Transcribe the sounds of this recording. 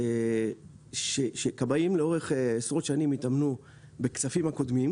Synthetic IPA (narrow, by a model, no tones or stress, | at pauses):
ʃeʃekabajimleo̞ʁe̞χesʁo̞t̪ʃanimit̪amnu | bekt͡safimako̞d̪mim